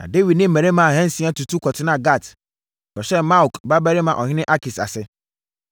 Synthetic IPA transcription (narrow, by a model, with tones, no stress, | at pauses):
nã̰˨de˦wi˨dnɪ̃˦m̩ː˨ɛ̃˨ɾe˦mã˨a˨hɛ̃˦n˨sĩ˨˦a˦tu˨tʰu˦kʰɔ˨tʰɪ˦nã˨ɡa˦˨t | bɛ˨ɕɛ˦ma˦wkba˦bɛ˦ɾɪ˦mã˨ʔɔ˨hɪ̃˦nɪ̃˦ʔa˦ki˨sa̰˨sɪ˦